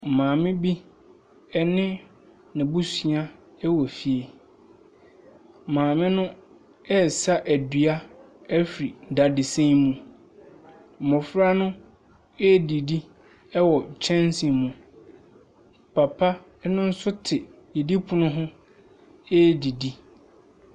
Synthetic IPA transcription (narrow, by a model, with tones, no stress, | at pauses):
mãː˨mɪ̃˦bi˦ | ɛ˦nɪ̃˦ | nɪ̃˨bu˦si˨a˦ | ɛ˦wɔ˨fi˨e˨ | mãː˨mɪ̃˦nʊ̃˦ | ɛ˦sa˦ʔæ˨dɥa˦ | ɛ˦fɾi˨n̩˨da˨dɪ˨sẽ˦mũ˦˨ | mɔ̃˨fɾa˦nʊ̃˦ | ɛ˦˨di˨di˦ | ɛ˦wɔ˨t͡ɕʰɛ̃˦n˦sĩ˨mũ˨ | pʰa˨pʰa˦ | nʊ̃˦n̩˦sʊ˦tʰɪ˨ | je˨di˦pʰʊ̃˨nʊ̃˦ɦʊ̃˦ | ɛ˦˨di˨di˦